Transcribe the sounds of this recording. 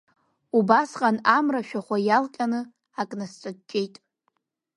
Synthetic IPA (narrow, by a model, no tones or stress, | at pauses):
ubasqʼanamraʃᶣaχʷajalqʲʼanɨ | akʼnast͡sʷʼɨd̚d͡ʒʲʼe̞jtʼ